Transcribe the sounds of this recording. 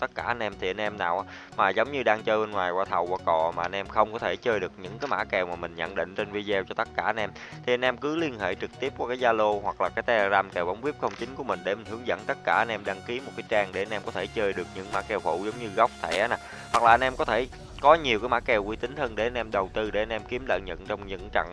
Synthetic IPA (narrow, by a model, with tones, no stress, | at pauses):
t̪ə˦˥t̚kaː˧˩ʔə˧nʔɛ˧mt̪ʰi˨˩ʔa˧nʔɛ˧mnaː˨˩wʔa˨˦ | maː˨˩zə˨˦wŋ͡mɲɨ˧ɗaː˧ŋt͡ɕəː˧jɓe˧nŋwaː˨˩jkwaː˧t̪ʰə˨˩wʔaː˧˩kɔ̰˧˨˩maː˨˩ʔə˧nʔɛ˧mxə˧wŋ͡mkɔ˨˦t̪ʰe˧˩t͡ɕəː˧jɗɨ˨˩ək̚ɲɨ̰˧˥ŋkaː˨˦jma̰ː˧˥kɛ˨˩wmaː˨˩mï˨˩ŋɲə̰˧˨nɗḭ̈˧˨ŋ̟t͡ɕe˧nvi˧zɛ˧wt͡ɕɔ˧t̪ə˦˥t̚kaː˧˩ʔa˧nʔɛ˧m | t̪ʰi˨˩ʔa˧nʔɛ˧mkɨ˨˦li˧ənhḛ˧˨t͡ɕɨ˨˩k̚t̪i˦˥əp̚ku˧˩˦kaː˨˦jzaː˧lo˧hwa˨˩k̚laː˨˩kaː˨˦jt̪ɛ˧a˨˧˩zaː˧mkɛ˨˩wɓa˨˦wŋ͡mvwi˦˥p̚xə˧wŋ͡mt͡ɕï˨˦ŋ̟ku˧˩əmï˨˩ŋ̟ɗe˧˩mï̟˨˩hɨ˨˦əŋzə̰˧˥nt̪ə˦˥t̚kaː˧˩ʔə˧nʔɛ˧mɗaː˧ŋki˨˦mo˨˩t̚kaː˨˦jt͡ɕaː˧ŋɗe˧˩ʔa˧nʔɛ˧mkɔ˨˦t̪ʰe˧˩t͡ɕəː˧jɗɨ˨˩ək̚ɲɨ̰˧˥ŋma̰ː˧˥kɛ˨˩wfṵ˧˩˥zə˨˦wŋ͡mɲɨ˧ɣa˦˥wk͡p̚t̪ʰɛ̰˧˩ʔna˨˩ | hwa˨˩k̚laː˨ʔnʔɛ˧mkɔ˨˦t̪ʰe˧˩ | kɔ˨˦ɲi˨˩wkaː˨˦jmaː˧˥kɛ˨˩wkwi˧t̪ï˨˦ŋ̟t̪ʰəː˧nɗe˧˩ʔa˧nʔɛ˧mɗə˨˩wt̪ɨ˧ɗe˧˩ʔa˧nʔɛ˧mki˨˦əmla̰ː˧˨jɲə̰˧˨nt͡ɕɔ˧wŋ͡mɲɨ̰˧˥ŋt͡ɕə̰˧˨ŋ